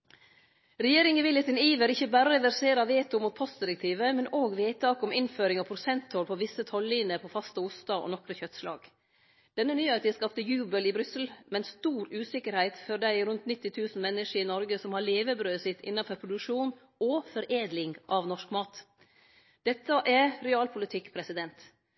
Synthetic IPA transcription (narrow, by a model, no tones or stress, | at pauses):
ɾɛjeːɾɪŋəʋɪljət̪ɪniːʋəɾɪçːəbæːɾəəʋæɾseːɾɑʋeːt̪ʊmuːt̪̚pʰɔst̪̚d̪ɪɾək̚t̪ʰiːʋəmɛnoːɡʋeːt̪ʰɑːkɔmɪnføːɾɪŋɑpʰɾʊsɛnt̪hɔlpʰɔʋɪsət̪ʰɔlːiːnəpʰɔfɑst̪əʊst̪ɑʔɔ̰nɔkɾəçœt̪slɑ̰ːɡ | d̪̥ɛnːənyːheɪt̪ɪskɑpt̪əjʉːbəlɪbɾʏsəl̩mɛnst̪uːɾʉːsɪkəɾhæɪt̪fɔɾd̪æɪɾʉnt̪nɪt̪ːɪt̪ʰʉːsn̩mɛnːɪʂəɾɪnɔɾɡəsɔmhɑɭeːʋəbɾøːsɪt̪ʰɪ̰nːɑfɔɾpʰɾʊd̪ʉkʂuːn | ɔfɔɾʔeːd̪lɪŋʔɑʋnɔʂkmɑːt̪ | d̪̥ɛt̪ːəʔæɾɾɛɑːlpʰʊlət̪ʰɪkːpʰɾɛsɪd̪ɛnt̪